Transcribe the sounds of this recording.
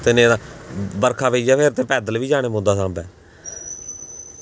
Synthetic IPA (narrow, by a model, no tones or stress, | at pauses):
t̪ɪnẽːaːbəɾkʰaːʋeːd͡ʒaːpʰeɾt̪eːpɛːd̪əlʋiːd͡ʒaːɽ̃eːmõnd̪aːsãːmbɛː